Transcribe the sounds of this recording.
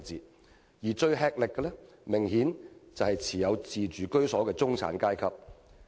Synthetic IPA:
t͡siː˨ | jiː˨˩t͡ʃɵ˧ɥɦɛː˧k̚lɪ˨kːɛ˧lɛː˥ | mɪ˨˩ŋhiː˨˥nt͡sɐ˨whɐ˨jt͡sʰiː˨˩jɐ˨˧wt͡siː˨t͡ʃyː˨˩kɵ˥ɥsɔː˨˥kɛː˧t͡sʊ˥ŋt͡sʰa̰ː˨˥nkaː˥jkʰɐ˨p̚

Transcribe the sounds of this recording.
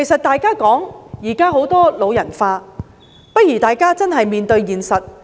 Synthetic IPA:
e˨˩jsɐ˨t̚t̪aː˨˧jkaː˥kɔː˨˥ŋjiː˨˩kaː˥ɦo˨˥wt̪ɔː˥lo˨˧wjɐ˨˩nfaː˧ | pɐ˥t̚jyː˨˩t̪aː˨jkaː˥t͡sɐ˥nɦɐ˨jmiː˨nt̪ɵ˧ɥjiː˨nsɐ˨t̚

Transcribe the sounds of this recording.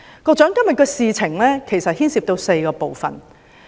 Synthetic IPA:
kɔː˧k̚t͡ʃœː˨˥ŋkɐ˥mjɐ˨t̚kɛː˧siː˨˧t͡sʰɪ˨˩ŋlɛː˥kʰe˨˩jsɐ˨t̚hiː˥nsiː˧p̚t̪o˧wse˧jkɔː˧po˨wfɐ̰˨n

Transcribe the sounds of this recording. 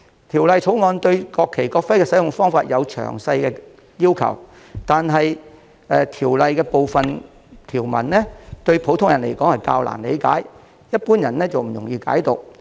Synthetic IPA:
t̪ʰiː˨˩wlɐ˨˧jt͡ʃʰo˨˥wŋɔː˨˧nt̪ɵ˧ɥkɔː˧kʰːe˨˩jkɔː˧k̚fɐ˥jkɛː˧sɐ˨˥jʊ˨˩ŋfɔː˥ŋfaː˧t̚jɐ˨˧wt͡ʃʰœ̰ː˨˩ŋsɐ˧jkɛː˧ | jiː˥wkʰɐ̰˨˩w | t̪aː˨nɦɐ˨j | ɛː˨˧t̪ʰiː˨˩wlɐ˨jkɛː˧po˨wfɐ˨n | t̪ʰiː˨˩wmɐ̰˨˩nlɛː˥t̪ɵ˧ɥpʰo˨˧˥wt̪ʰʊ˥ŋjɐ˨˩nle˨˩jkɔː˨˥ŋhɐ˨jkaː˧wla̰ː˨˩nlḛ˨˧jka̰ː˨˥j | jɐ˥t̚puː˥njɐ˨˩nlɛː˥t͡sɐ˨wm̩˨˩jʊ˨˩ŋjiː˧ka̰ː˨˥jt̪ʊ˨k̚

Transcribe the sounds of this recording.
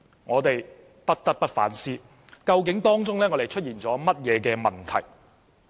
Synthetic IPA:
ŋɔː˨˧t̪e˨j | pɐ˥t̚t̪ɐ˥k̚pɐ˥t̚fa̰ː˨˥nsiː˥ | kɐ˧wkɪ˨˥ŋt̪ɔː˥ŋt͡sʊ˥ŋlɛː˥ŋɔː˨˧t̪e˨˩jt͡ʃʰɵ˥t̚jiː˨nt͡sɔː˨˥mɐ˥t̚jɛː˨˧kɛː˧mɐ˨˩nt̪ʰɐ̰˨˩j

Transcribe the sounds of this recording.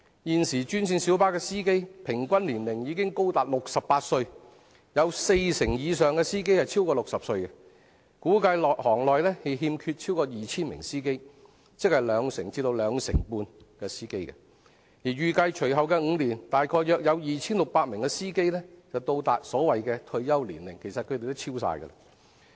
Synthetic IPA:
jiː˨nsiː˨˩t͡ʃyː˥nsiː˧nsi˨˥wpaː˥kɛː˧siː˥ke˥jpʰɪ˨˩ŋkʷɐ˥nliː˨˩nlɪ˨˩ŋjiː˨˧kɪ˥ŋko˥wt̪aː˨t̚lʊ˨k̚sɐ˨p̚paː˧t̚sɵ˧ɥ | jɐ˨˧wse˧jsɪ˨˩ŋjiː˨˧sœː˨˧ŋkɛː˧siː˥k̬e˥jhɐ˨jt͡sʰi˥wkɔː˧lʊ˨ksɐ˨p̚sɵ˧ɥkɛ˧ | kuː˨˥kɐ˧jlɔː˨t̚hɔː˨˩ŋlɔː˨jlɛː˥he˨˧jɦiː˧mkʰyː˧t̚t͡sʰiː˥wkɔː˧jiː˨t͡sʰiː˥nmɪ̰˨˩ŋsiː˥ke˥j | t͡sɪ˥k̚hɐ˨˩jlœː˨˧ŋsɪ˨˩ŋt͡siː˧t̪o˧wlœː˨˧ŋsɪ̰˨˩ŋpuː˧n | kɛː˧siː˥ke˥jkɛ̰˧ | jiː˨˩ɥyː˨˩kɐ˧jt͡ʃʰɵ˨˩ɥɦɐ˨wkɛː˧ŋ̩˨˧liː˨˩nt̪aː˨jkʰɔː˧jjœː˨k̚jɐ˨˧wjiː˨t͡sʰiː˥nlʊ˨k̚paː˧t̚mɪ˨˩ŋkɛ˧siː˥ke˥jlɛː˥t͡sɐ˨wt̪o˧wt̪aː˨t̚sɔː˨˥wɐ˨jkɛː˧t̪ʰɵ˧ɥjɐ˥wliː˨˩nlɪ̰˨˩ŋkʰe˨˩jsɐ˨t̚kʰɵ˧t̪e˨jt̪o˥t͡sʰiː˥wsa̰ː˧jkə̰˧lɐ̰˧

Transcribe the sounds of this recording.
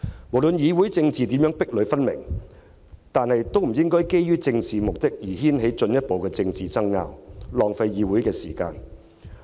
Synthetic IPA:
mo˨˩wlɵ˨˧njiː˨˧wuː˨˥jt͡sɪ˧ŋt͡siː˨t̪i˨˥mjœː˨˥ŋpɪ˥k̚lɵ˨˧ɥfɐ˥nmɪ̰˨˩ŋ | t̪aː˨nhɐ˨jt̪o˥wm̩˨˩jɪ˥ŋkɔː˥jke˥jːyː˥t͡sɪ˧ŋt͡siː˨mʊ˨k̚t̪ɪ˥k̚jiː˨˩ɦiː˥nɦe˨˥jt͡ʃɵ˧njɐ˥t̚po˨wkɛː˧t͡sɪ˧ŋt͡siː˨t͡sɐ˥ŋːa̰ː˧wlɔː˨ŋfɐ˧jːiː˨˥wu˨˥jkɛː˧siː˨˩ka̰ː˧n

